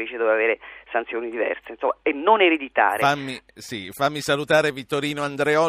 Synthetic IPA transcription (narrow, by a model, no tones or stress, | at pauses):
ɾiːt͡ʃid̪ovevaveːɾesant̪sjoːnid̪ivɛ̰rseinsomːaenːoneɾed̪it̪a̰ːɾfamːisifamːisalut̪aːɾevit̪ːoɾiːnoand̪ɾeɔ